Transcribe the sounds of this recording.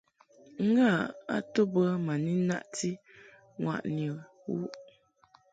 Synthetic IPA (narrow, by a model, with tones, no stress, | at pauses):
ŋ̩˦ɡa˦˨a̰˦to˦bə˦ma˨ni˦na̰˦ʔti˦ | ŋwa̰˨ʔnjə˨ | wṵ˦ʔ